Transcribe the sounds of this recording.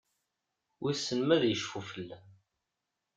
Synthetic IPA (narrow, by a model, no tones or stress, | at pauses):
wisːənmæðjəʃfufəlːæ